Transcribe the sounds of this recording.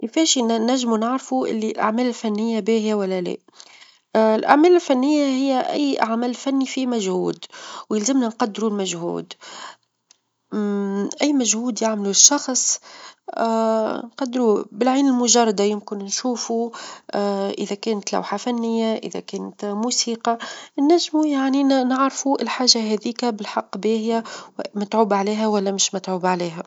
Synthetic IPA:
kɪfɛːʃnæʒːmunaʕɾfuʔɪ̰lːilʔa̰ʕmæːlɪlfænːɪjːabeːhɪjæwælːælɛ̰ː | ɪlʔa̰ʕmæːlɪlfænːɪjːahɪjːæʔæ̰jːʔaʕmæːllfænːifimæʒhuːd̪wjɪlzɪmnænqɑd̪ːɾulmæʒhṵːd̪ | ʔæjːmæʒhuːd̪jaʕmluʃːɑxsˤ | nqɑd̪ːɾubɪlʕiːnɪlmʊʒɑrˤːɑd̪ajʊmkɪnnʃuːfu | ʔɪðækɛːnt̪la̰wħafænːɪjːaʔɪ̰ðæ̰kæːnt̪muːsiːqɑnːæʒːmujaʕninɪʕɾfuʔɪlħaːʒaɦɛːðiːkæbɪlħɑqːbeːhɪjæwmɪt̪ʕuːbʕaliːɦæwælːæmɪʃmɪt̪ʕuːbʕaliːɦæ

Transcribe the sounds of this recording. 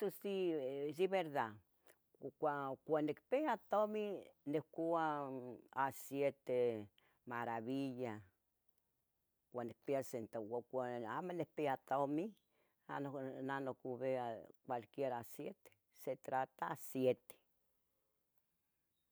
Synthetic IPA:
t̪osidiβeɾða | kʷakʷanikpeat̪ominekua | asjet̪e | maɾaβiʎa | kʷanik̚peasent̪aakʷaamanekpeat̪omi | anonanokuβeakʷwalkjeɾasjet̪e̥ | set̪ɾat̪aasjet̪e̥

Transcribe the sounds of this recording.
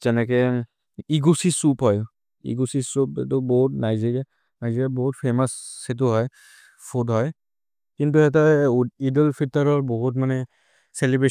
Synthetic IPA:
zɛnɛk̬e | iɡusisupɦɔj | ḭɡusisupɦetubɔɦut̚najziɡɛ | najziabɔɦutpʰemashet̬uɦɔj | pʰudɦɔj | kintuɦɛtaidəlpʰitaɹɔɹbɔɦutmanɛ | selibɹe

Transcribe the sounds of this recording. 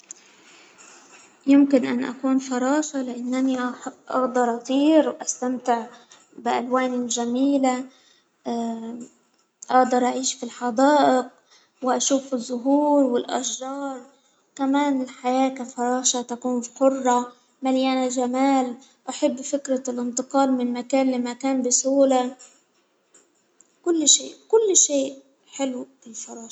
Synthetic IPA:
jʊmkɪnʔanʔa̰kuːnfɑɾˤɑːʃɑlɪʔanːʔaniʔʔɑ̰ɣd̪ɑɾˤʔɑt̪ˤiːɾwʔast̪amt̪ɪʕ | bɪʔalwaːnilʒamiːla | ʔɑɣd̪ɑɾˤʔaʕiːʃfilħɑd̪ɑːʔɪq̚ | wʔaʃuːfɪzˤːʊɦuːɾwɪlʔaʃːɑːɾˤ | kamaːnɪlħajaːkafɑɾˤɑːʃat̪akuːnħʊrˤːɑ | maljʔanalʒamaːl | ʔaħabːfɪkɾalʔɪnt̪ɨqɑːlmɪnmakaːnlimakaːnbɪsuːla | kʊlːʃeːʔkʊlːʃeːʔ | ħɪlubɪlfɑɾˤɑːʃ

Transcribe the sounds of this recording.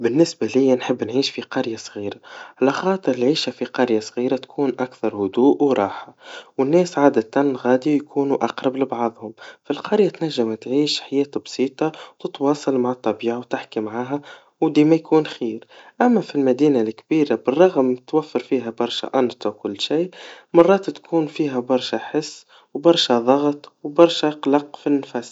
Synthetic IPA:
bɪnːɪsbalijːanħəbːnʕiːʃfiqɑɾjasˤɣiːɾaʕalaxɑːt̪ˤəɾɪlʕiːʃafiqɑɾjasˤɣiːɾat̪kʰuːnʔakθɑɾˤhʊd̪uːʔwɾˤɑːħawɪnːɛːsʕaːd̪æt̪anɣæːd̪ijkʰuːnuʔɑqɾˤɑblɪbɑʕðˤhʊmfilqɑɾjat̪næʒːɪmt̪ʕiːʃħajɛːt̪bsˤiːt̪ˤɑwt̪ɪt̪wɑːsˤɑlmaʕɑt̪ˤːɑbiːʕawt̪ɪħkimaʕaːɦæ | wd̪iːmæjkuːnxiːɾʔæmːæfilmæd̪iːnalkbiːɾabɪrˤːɑɣmt̪wæfːɑɾfiːɦæbɑɾˤʃa̰ʔɑnt̪wkʊlːʃiːmɑrˤːɑːt̪t̪kʰuːnfiːɦæbɑɾˤʃaħɪsː | wbɑɾˤʃaðˤɑɣt̪ˤwbɑɾˤʃaqlɑqfinːfæs

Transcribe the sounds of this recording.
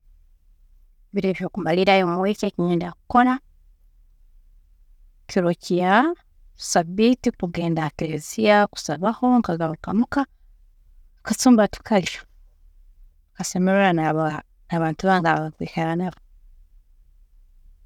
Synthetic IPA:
βiɾeβjokumaliɾajomawekekiɲeːndaku̥kona | kiɾociḁ | sabitikuɡe̞ːndakeɾeziaku̥saβaho̞ŋkazahokamuka | kat͡suːmbatu̥kalio | kasemeɾeɾanaβ | naβaːntuβaŋɡaβaβakwiːheɾanaβo

